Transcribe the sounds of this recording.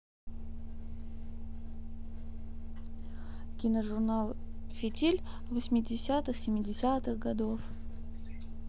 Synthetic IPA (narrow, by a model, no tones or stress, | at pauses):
kʲɪnəʐʊrnalˠfʲɪtʲilʲvəsʲmʲɪdʲɪsʲat̪ɨxsʲɪmʲɪdʲɪsʲat̪ɨxɡɐd̪of